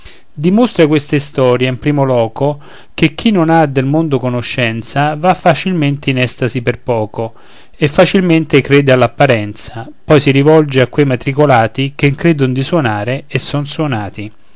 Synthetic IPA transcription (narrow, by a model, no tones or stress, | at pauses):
d̪imost̪ɾakwest̪aist̪ɔːɾjaimpɾiːmolɔːko | k̟ek̟ːinːonad̪elmond̪okonoʃːɛnt̪savafːat͡ʃilment̪einɛst̪asiperpɔːko | efːat͡ʃilment̪ekɾeːd̪ealːapːaɾɛnt̪sapɔjsiɾivɔld͡ʒeakːwejmat̪ɾikolaːt̪ikeŋkɾeːd̪ʊnd̪iswɔnaːɾeesːɔnswonaːt̪i